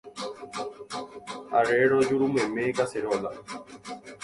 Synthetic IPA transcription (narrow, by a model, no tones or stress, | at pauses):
aɾeɾɔd͡ʒuɾumemeːkaseɾɔla